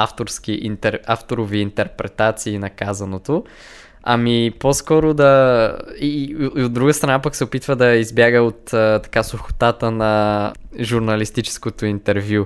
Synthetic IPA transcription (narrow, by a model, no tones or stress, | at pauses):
aft̪oɾsk̟iʔḭnt̪ɛɾaft̪oɾoviːnt̪ɛɾpɾɛt̪at̪siːnɐkazɐnot̪o | ɐ̰miposkɔɾod̪ɐ | iod̪ːɾuɡəst̪ɾɐnapəksɛopit̪vəd̪ɐizbjaɡəot̪ːt̪ɐ̥kasʊxo̥t̪at̪ənɐ | ʒuɾnɐlist̪it͡ʃɛ̥skot̪oint̪ɛɾvju